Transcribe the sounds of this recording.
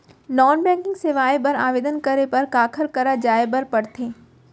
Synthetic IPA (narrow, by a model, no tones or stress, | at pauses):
nɔːnbɛ̃ːŋkɪ̃ŋɡseːʋaːebɐɾa̰ːʋeːd̪ənkɐɾepɐɾkaːkʰəɾkɐɾad͡ʒaːebɐɾpɐɽt̪ʰeː